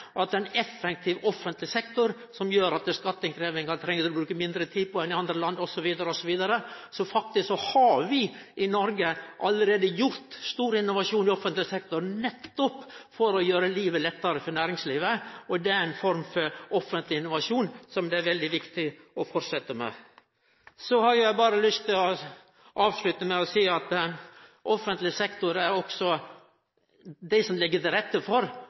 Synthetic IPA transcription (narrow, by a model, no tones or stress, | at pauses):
ʔɑt̪d̪ɛnɛfːɛk̚t̪ʰɪʋɔfːənt̪lɪsɛkt̪ʊɾ | sɔmjøːɾɑt̪əskɑt̪ːɪŋkʰɾeːʋɪŋɑɾt̪ʰɾɛŋːət̪ɔbɾʉːkəmɪnd̪ɾət̪ʰiːd̪pʰɔɛnɪɑnd̪ɾəlɑnd̪ɔsɔʋiːd̪ɑɾəɔsɔʋiːd̪ɑɾəsɔfɑk̚t̪ɪssɔhɑʋɪʔɪnɔɾɡəʔɑlːəɾeːd̪əjʊɾt̪st̪uːɾəɪnːʊʋɑʂuːnɪɔfənt̪lɪsɛk̚t̪ʊɾnɛt̪ːɔpfɔɾɔjøːɾəliːʋəlɛt̪ːɑɾəfɔɾɳnæːɾɪŋsliːʋəɔd̪ɛæɾɛnfɔɾmfɔɾɔfənt̪lɪɪnːʊʋɑʂuːnsɔmd̪ɛæɾʋɛld̪ɪʋɪkt̪ɪ | ɔfɔɾsɛt̪ːəmɛ̰ | sɔhɑɾjʊjæɪbɑːɾəlʏst̪ʰɪlɔ | ʔɑːʋʂlʉt̪əmɛɔsiːɑt̪ɛʔɔfənt̪lɪsɛkt̪ʊɾæɾɔksɔ | d̪æɪsɔmlɪɡːət̪ɪɾɛt̪ːəfɔɾ